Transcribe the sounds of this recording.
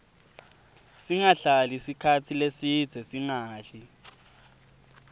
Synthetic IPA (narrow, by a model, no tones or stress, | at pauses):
siŋaɬalisikʰatʰilesi̥z̥ʱɛsiŋaːɬi